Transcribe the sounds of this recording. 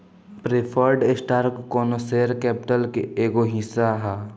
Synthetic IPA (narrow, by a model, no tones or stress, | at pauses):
pɾepʰəɾɖɪsʈaːɾkːɔːnoseːɾkɛːpɪʈəlkeeːɡoɦisaɦɛː